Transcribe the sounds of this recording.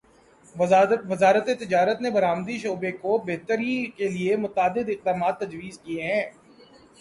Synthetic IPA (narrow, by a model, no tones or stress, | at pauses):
ʋɐzaːɾət̪et̪ɪd͡ʒaːɾət̪nebɐɾaːmd̪iʃoːbekobeːt̪əɾikeliemʊt̪aːd̪ɪd̪ɪq̚d̪aːmaːt̪ːɐd͡ʒʋiːzkieɦɛ̃ː